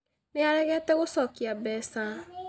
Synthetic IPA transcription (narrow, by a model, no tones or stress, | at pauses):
neaɾɛɣɛtɛɣosɔkiabɛsa